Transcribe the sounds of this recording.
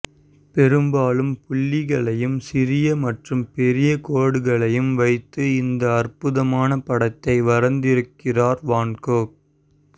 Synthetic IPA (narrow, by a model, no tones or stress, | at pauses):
pɛɾɯmbaːlɯmpʊɭːɪɣɐɭɐjɯmsɪɾɪjɐmɐʈrɯmpɛɾɪjɐkoːɽɯɣɐɭɐjɯmʋɐɪt̪ːɯɪnd̪ɐːrpɯðɐmaːnɐpɐɽɐt̪ːɐɪʋɐɾɐnd̪ɪɾɯkːɪraːɾʋaːnkoːk̚